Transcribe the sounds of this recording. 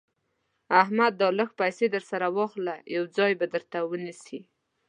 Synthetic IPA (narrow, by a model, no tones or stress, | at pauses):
ahmad̪ːələxpajsed̪əɾsaɾawɑxlajawd͡zɑjbad̪əɾt̪awənisi